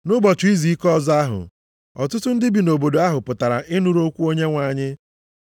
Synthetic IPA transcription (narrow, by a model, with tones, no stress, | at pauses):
nʊ˦bɔ˨t͡ʃʊ˨i˦zi˨i˦kɔ˦zɔ˦a˦ɦʊ̰˨ | ɔ̰˨tʊ˦tʊ˦n̩˦dɪ˦bi˨no˨bo˨do˨a˦ɦʊ˨pʊ˨ta˨ɾa̰˨ʔɪ˦nu˨˦ɾo˦kʷu˦o˦ɲe˦ŋʷa˨ɲɪ˦